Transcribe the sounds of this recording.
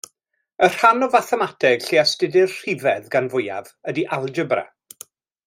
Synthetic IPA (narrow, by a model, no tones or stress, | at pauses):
ər̥anɔvaθɛmatʰɛɡ̥ɬeastɪdɪrr̥ɪvɛðɡanvʊja̰vədiʔalˠd͡ʒəbrɛ̰